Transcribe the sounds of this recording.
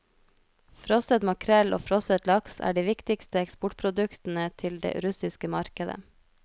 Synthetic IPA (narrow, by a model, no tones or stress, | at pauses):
fɾɔsət̪mɑkʰɾɛlʔo̰ːfɾɔsət̪lɑksæ̰ːɖiːʋɪkt̪ɪkst̪əɛkspɔʈ̚pʰɾʊd̪ʉkt̪n̩ət̪ʰɪld̪ḛːɾʉsɪskəmɑɾkəd̪ə̰